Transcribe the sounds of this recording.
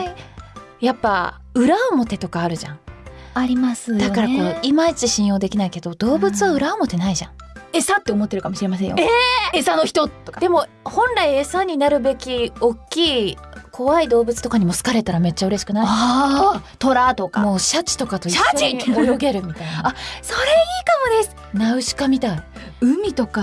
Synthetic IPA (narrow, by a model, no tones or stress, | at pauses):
japːa | ɯ̟ɾaomo̞t̪e̞t̪o̞kaːɾɯ̟ʑã̰ŋ | aɾʲimasɨd̪akaɾako̞imait͡ɕiɕĩɰ̃jo̞ːd̪e̞kʲinaike̞d̪o̞d̪̥o̞ːbɯ̟t͡sɨβaɯ̟ɾaomo̞t̪e̞naiʑã̰ŋe̞sãt̪ːe̞omo̞t̪ːeɾɯ̟kamo̞ɕiɾe̞mas̬ẽjo̰eesano̞çi̥t̪o̞ːokad̪e̞mo̞ | hõ̞nɾaiesãɲ̟ːinaɾɯ̟be̞kʲio̞kʲːiː | kʰo̞βaid̪o̞ːbɯ̟t͡sɨ̥t̪o̞kaɲ̟imo̞sɨ̥kaɾe̞t̪aɾame̞t͡ɕːaɯ̟ɾe̞ɕi̥kɯ̟na | t̪o̞ɾat̪o̞kamo̞ːɕat͡ɕi̥t̪o̞kat̪o̞iaoiojoɡe̞ɾɯ̟mʲit̪ainaaso̞ɾe̞iːkamo̞d̪e̞sɨ̥ | naɯ̟ɕi̥kamʲit̪aiɯ̟mʲit̪o̞ka